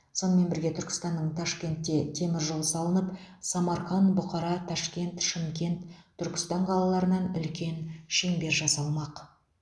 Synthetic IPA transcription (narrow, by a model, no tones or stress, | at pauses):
so̞nəme̞nbɪɾɡʲe̞t̪ʰʏɾkʲɪ̥st̪ɑnːəɴt̪ʰɑʃkʲe̞nt̪ːe̞t̪ʰːe̞mɪɾʒo̞lˠsɑlˠənəpsɑmɑɾχɑnbʊqɑɾɑt̪ʰɑʃkʲe̞nt̪ʃɪmkʲe̞nt̪ʰːʏɾkʲɪ̥st̪ɑɴqʰɑlˠɑlˠɑɾənɑnʏ̰lkʲe̞nʃeŋbe̞ɾʒɑsɑlˠmɑq